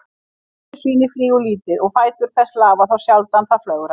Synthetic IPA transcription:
siːnɪfɾiːʏliːt̪ɪðɔɣfaːjt̪ʏɾ̥θɛsːlaːvaθawsjalt̪anθaflœːɣɾa

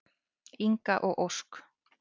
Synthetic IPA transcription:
iŋkaʔoʔoʂk

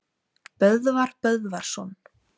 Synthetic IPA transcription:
pœððvaɾpœðvaɾ̥sɔn

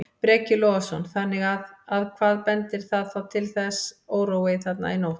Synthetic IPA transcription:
pɾɛːcɪlɔasɔnθanːɪɣaðaðkʰvaːðpɛnt̪ɪɾ̥θaðθawt̪ʰɪlθɛsoːwɾowɪθɛt̪na̰ɪnowht̪

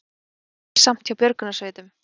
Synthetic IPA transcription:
sam̥t̪jawpjœɾkʏnasvœːjt̪ʏm

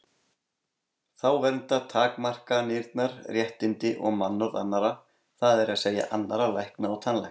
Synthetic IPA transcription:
θawvɛɾnt̪at̪ʰaːkmar̥kanɪɾt̪naɾ̥rjɛht̪ɪnt̪ɪʔɔɣmanːʏɾðanːaɾa | θaðɛɾaðseːja̰ʔanːaɾalajhknaːwt̪ʰanlɛ̰

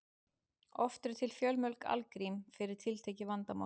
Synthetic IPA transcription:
ɔft̪ʏɾ̥t̪ʰɪlfjœlmœlka̰lkɾimfɪɾɪɾ̥t̪ʰɪlt̪ʰeːjcɪvant̪ama̰

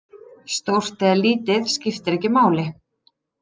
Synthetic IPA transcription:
st̪owr̥t̪ɛːðliːt̪ɪðscɪft̪ɪɾɛhcːɪmaːwlɪ

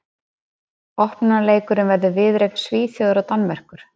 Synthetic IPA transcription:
ɔhpnaleːjkʏɾɪnvɛɾðʏvɪðɾejknsviːθjowðʏɾawt̪anːvɛr̥kʏɾ̥

